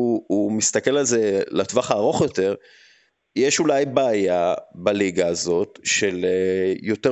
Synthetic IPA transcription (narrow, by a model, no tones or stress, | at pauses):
uumist̪ake̞lalze̞latvaχaːʁo̞χjo̞te̞ʁ | jeʃulajbeːjabaliɡaːzo̞t̪ʃelejo̞te